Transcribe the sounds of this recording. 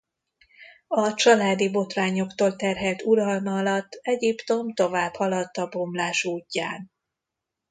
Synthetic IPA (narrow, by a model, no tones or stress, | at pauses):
ɒt͡ʃɒlaːd̪ibo̞t̪raːɲo̞kt̪oːlt̪ɛrɦɛlt̪uɾɒlmɒɒlɒt̪ːɛɟipt̪o̞mt̪o̞vaːbhɒlɒt̪ːɒbo̞mlaːʃuːcːa̰ːn